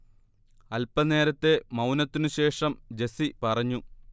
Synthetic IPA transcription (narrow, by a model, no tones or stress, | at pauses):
ɐlpɐne̞ːɾɐt̪ːe̞mɐwnɐt̪ːinuɕe̞ːʂɐmd͡ʑe̞sipɐrɐɲːu